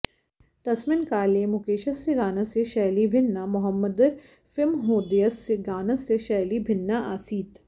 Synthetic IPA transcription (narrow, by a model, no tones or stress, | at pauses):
t̪ɐsmɪnkaːlemʊkeːʃɐsːeɡaːnəseʃɛːlibʱɪnːamʊɦəmːəd̪əɾ | fɪlmɦoːd̪ijəseɡaːnɐsːeʃɛːlibʱɪnːaʔaːsiːt̪